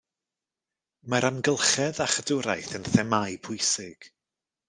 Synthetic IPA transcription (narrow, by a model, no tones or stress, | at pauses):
maɾamɡəlˠχɛðaχədʊɾajθənθɛmajpʰʊjsɪɡ̥